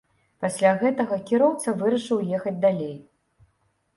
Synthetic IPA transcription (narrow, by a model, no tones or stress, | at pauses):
pasʲlʲaɣɛt̪ɐɣɐkʲiɾɔwt̪sɐvɨɾɐʂɨwjɛxɐd͡zʲd̪alʲej